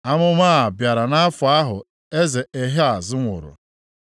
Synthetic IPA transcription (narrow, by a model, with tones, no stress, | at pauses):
a˦mʊ˦maː˦a˨bja˨ɾa˨na˦fʊ˨a˦ɦʊ˨ | e˦ze˨ʔe˨ɦe˦a˨zɪ˦ŋʷʊ̰˨ɾʊ̰˨